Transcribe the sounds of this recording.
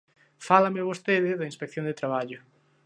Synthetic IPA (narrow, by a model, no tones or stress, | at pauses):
falɐmɪβost̪eðɪðɐinspekθjõnd̪et̪ɾaβaʎʊ